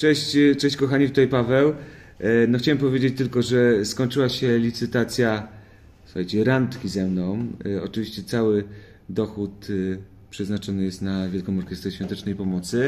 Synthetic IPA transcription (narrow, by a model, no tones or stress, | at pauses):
t͡ʂɛɕt͡ɕt͡ʂɛɕt͡ɕkɔxaɲift̪ut̪ajpavɛw | nɔxt͡ɕawɛmpɔvʲjed͡ʑet͡ɕt̪ɘlkɔʐɛskɔɲt͡ʂɘwaɕɛlʲit̪sɘt̪at̪sʲja | su̥xajt͡ɕɛɾant̪kʲizɛmnɔmɔ̰t͡ʂɨvʲiɕt͡ɕɛt̪sawɘ | d̪ɔxut̪ | pʂɛznat͡ʂɔnɘjɛst̪navʲjɛlkɔ̃mɔɾkʲɛst̪ɾɛɕfʲjɔ̃nt̪ɛt͡ʂnɛjpɔmɔt̪sɘ